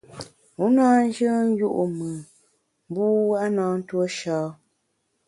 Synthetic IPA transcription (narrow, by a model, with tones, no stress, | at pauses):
u˨˦naː˦n̩˦d͡ʒə˦n̩˦ju˦ʔu˨mɨ˨ | m˦bu˦wa˦ʔnaː˨˦n̩˦two˦ʃɔː˦